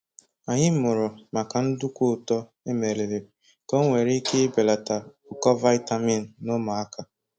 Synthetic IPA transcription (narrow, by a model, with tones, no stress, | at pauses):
a˨ɲɪ˦m̩˦mʊ˨ɾʊ˨ma˨ka˨n̩˦dʊ˦kʷʊ˦˨tɔ˦ | e˦me˨ɾe˨ɾe˨ | ko˦ŋʷe˨ɾi˦ke˦be˨la˨ta˨ | ʊ˨kɔ˦va˦ɪ˦ta˦mi˦˨n̩˨nʊ˦ma˨a˦ka˨